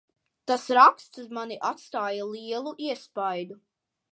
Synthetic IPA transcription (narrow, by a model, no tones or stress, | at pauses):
t̪asɾakst̪szmaniʔat̪st̪aːjalˠiɛlˠuʔiɛspajd̪u